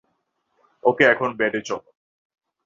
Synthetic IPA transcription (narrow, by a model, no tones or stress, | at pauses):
okeɛkʰonbɛʈet͡ɕʰɔ